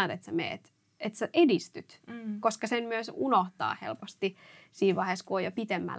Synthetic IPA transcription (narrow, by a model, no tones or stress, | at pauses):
ot̪et̪semḛːt̪ | et̪seʔedist̪yt̪koskɑsemmyøsunoht̪ɑ̰ːhḛlpost̪isiːʋʋɑheskuojopit̪emːæ̰l